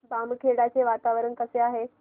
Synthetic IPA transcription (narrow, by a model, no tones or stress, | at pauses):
bamkʰeɽat͡ɕeʋat̪aʋɾənkəseaɦe